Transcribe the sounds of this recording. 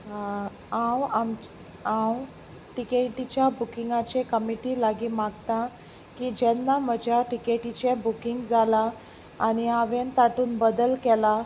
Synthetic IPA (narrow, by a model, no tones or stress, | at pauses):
ãwam | ãw | ʈikeʈit͡ɕjabukiŋɡat͡ɕekəmiʈiːlaɡiːmaɡt̪a | kiːd͡ʑɛnːam̤əd͡ʑʱjaʈikeʈit͡ɕebukiŋɡd͡zʱalaː | ɽ̃iaʋent̪aʈuːnbəd̪əlkɛla